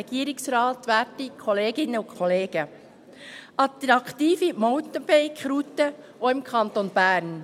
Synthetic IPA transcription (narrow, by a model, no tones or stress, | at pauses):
ɛɡ̥iːəɾɪksɾɑːt̪ʋæːɾtikʰχɔleːɡɪnːəʊkʰχɔleːɡ̥ə | ʔɑt̪ɾɑkt̪iːfimɔwt̪əb̥ɛɪkχɾut̪ə | oɪmkʰɑnt̪onb̥æːɾn